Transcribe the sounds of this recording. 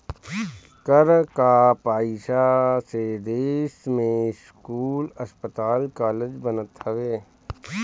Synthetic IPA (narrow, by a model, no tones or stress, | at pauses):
kəɾkapaːɪʃased̪eːʃmẽskuːləspət̪aːlkaːled͡ʒbənət̪hɐʋeː